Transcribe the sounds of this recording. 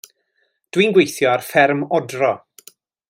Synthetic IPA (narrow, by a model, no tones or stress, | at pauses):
d̥wiːnɡwejθjɔarfɛrmɔdrɔ